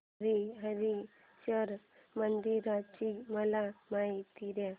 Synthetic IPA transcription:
ɾiɦəɾi | ɕəɾ | mənd̪iɾat͡ɕiməlamait̪iɾja

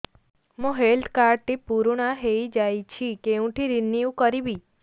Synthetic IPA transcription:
mũɦelʈ̪kaɾɖt̪ipuɾɳaɦeid͡ʒajt͡ʃʰikeũʈ̪ʰiɾinːijũkəɾibi

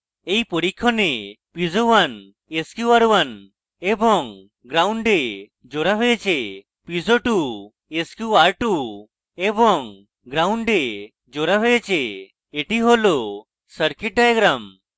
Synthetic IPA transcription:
ejpɔɾikʰːɔne | pizowan | eskjuaɾwan | ebɔŋ | ɡɾawɳɖe | d͡ʒoɾaɦejt͡ʃe | pizoʈu | eskjuaɾʈu | ebɔŋ | ɡɾawɳɖe | d͡ʒoɾaɦɔet͡ʃeː | ʈiɦolɔ | səɾkiʈ̚ɖajɡɾam

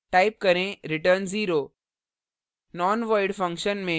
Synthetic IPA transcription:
ʈaːɪp̚kɐɾẽɾɪʈəɾnziːɾoː | nɔːnʋaɪɖfɐ̃ŋkʃənmẽ

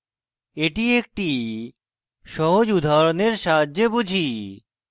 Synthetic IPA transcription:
eʈiek̚ʈi | ʃɔɦod͡ʑud̪ʱaɾoneɾʃaadebud͡ʑʱi

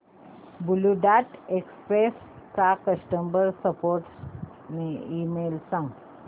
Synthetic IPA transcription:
buluɖaʈekspɾes | t͡sakəsʈəmbəɾsəpoɾʈ | neimelsãŋɡ

